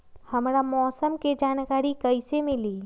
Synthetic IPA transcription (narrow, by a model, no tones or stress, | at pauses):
həmɾamɔːsəmked͡ʒaːnkaːɾikəɪsemɪliː